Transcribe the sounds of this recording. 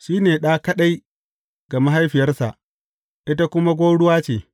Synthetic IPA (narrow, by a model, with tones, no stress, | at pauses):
ʃiː˦neː˨ɗaː˦kɐ˦ɗa˦j | ɡ̥a˨ma˦ɦa˦jɸɪ˨jɐ˦rsa̰˨ʔ | ʔɪ˦ta˦kʷʊ˦ma˦ɡʷoː˦ɽʊ˦waː˦t͡ʃeː˨